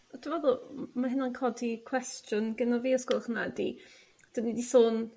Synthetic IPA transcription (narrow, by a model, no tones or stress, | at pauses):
tʰvɛðʊmaɦɪnankʰɔdikʰw̥ɛstʰjʊnɡənɔviːɔskolˠχnadi | d̥ənidisoːn